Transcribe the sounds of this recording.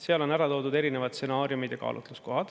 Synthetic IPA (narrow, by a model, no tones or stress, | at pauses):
seɑlo̞næɾɑt̪o̞ːd̪ud̪e̞ɾine̞vɑt̪̚se̞nɑːɾjumid̪̥jɑkɑ̰ːlʔṵt̪ˑlusko̞ɦɑd̪̥